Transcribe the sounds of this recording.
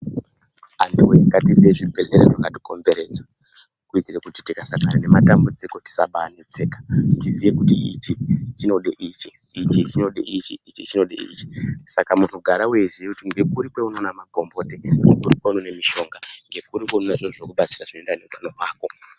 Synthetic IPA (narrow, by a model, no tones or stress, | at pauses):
andiweŋɡatizijeʐibʱe̞ɮeɾḛʐakatiko̞mbe̞ɾe̞d͡za | kuitiɾekuti̥tikasakaɾane̞matambud͡ziko̞ti̥saɓaanit͡seːkḁtizije̞kutiit͡ʃit͡ʃino̞ɗeʔiːt͡ʃiː | t͡ʃit͡ʃino̞ɗḛʔit͡ʃḭit͡ʃit͡ʃino̞ɗḛḭt͡ʃi̥sakamun̤uɡʱaɾawezijekutiŋɡe̞kuɾikwe̞uno̞namako̞mbo̞ːteunokuɾikweunone̞miʃo̞ŋɡaŋɡe̞kuɾikononeʐoʐokuɓat͡siraʐino̞endaneutanomwaːko̞